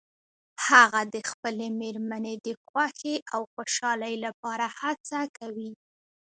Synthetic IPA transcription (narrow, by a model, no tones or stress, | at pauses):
haɣad̪əxpəlemeɾmaned̪əxwaxeʔawxoʃɑləjlapɑɾahat͡sakawi